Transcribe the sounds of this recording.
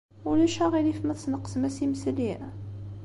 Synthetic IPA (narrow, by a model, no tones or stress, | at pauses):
ulæʃæʁilifmæθsnəqːə̥smæsimsli